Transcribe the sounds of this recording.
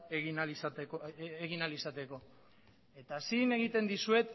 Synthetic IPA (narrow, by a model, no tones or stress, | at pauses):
eɣnalisat̪ekoeɣinalisat̪e̞ko̞ | e̞t̪asine̞ɣ̞it̪e̞nd̪isue̞t̪